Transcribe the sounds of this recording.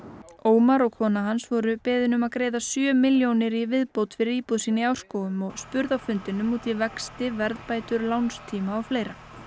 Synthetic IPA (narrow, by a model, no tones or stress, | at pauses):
oːwmaɾɔɣkʰɔːnaɦansvɔɾʏpɛːðɪnʏmaðkɾeːjðasjœːmɪljownɪɾivɪðpowt̪fɪɾɪɾiːpuðsiːnɪaw̥skoːwʏmɔɣspʏɾðawfʏnt̪ɪnʏmːuːt̪ɪvɛkst̪ɪvɛɾðpaːjt̪ʏɾlawnst̪ʰiːmaɔwfleːjɾa